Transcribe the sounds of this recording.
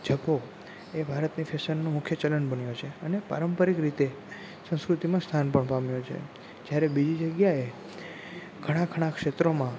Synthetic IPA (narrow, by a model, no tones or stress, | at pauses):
d͡ʒʱəbo | ebʱaɾət̪nifʰesənːomʊkʰjət͡ʃələnbənjot͡ʃʰeənepa̰ɾəmpəɾikɾit̪e | sə̃skɾʊt̪imãst̪ʰanpəɳpamjot͡ʃʰḛ | d͡ʒjaɾebid͡ʒid͡ʒəɡjae | ɡ̥ʰʱəɽ̃ãkʰəɽ̃ãkʂet̪ɾomã